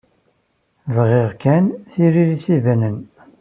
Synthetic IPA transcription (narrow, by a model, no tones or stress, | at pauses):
vʁeʁkænθiɾiɾisivænən